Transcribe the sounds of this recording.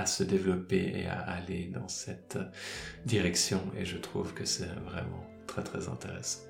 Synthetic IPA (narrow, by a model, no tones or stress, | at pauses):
asəd̪evlɔpeḛa̰aled̪ɑ̰̃sɛt̪ | d̪iʁɛksjɔ̃ḛʒət̪χuvkəsɛvʁɛ̰mɑ̰̃ | t̪χɛt̪χɛzɛ̰̃t̪eʁɛsɑ̥̃